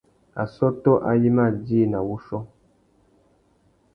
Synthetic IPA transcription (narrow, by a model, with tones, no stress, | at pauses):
a̰˨sɔ˦tɔ˦ʔa̰˦ji˦ma˦˨di˦˨na˨wu˦ʃɔ˦